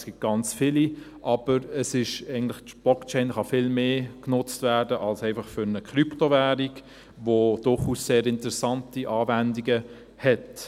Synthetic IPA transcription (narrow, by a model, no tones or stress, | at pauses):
sɡ̥ɪt̚ɡ̥ɑnt͡sfɪli | ʔɑb̥əɾəsɪʃæɪɡn̩tlɪχtb̥lɔkt͡ʃɛɪnχɑfɪlmeːknʊt͡stvæːdəʔɑlsæɪfɑχfʏɾnəkχryptovæːɾiɡ | vod̥ʊχusːeːɾɪntəɾɛsɑntiʔɑːvændiɡə | hɛt